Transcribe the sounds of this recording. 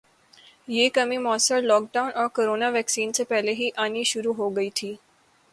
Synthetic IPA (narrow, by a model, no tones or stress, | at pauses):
jekəmimɔːsəɭlɔːk̚ɖaunɔːɾkoɾoːnaʋɛksiːnt͡sepɛɦleɦiːʔaniʃʊɾuɦoɡəiːt̪ʰiː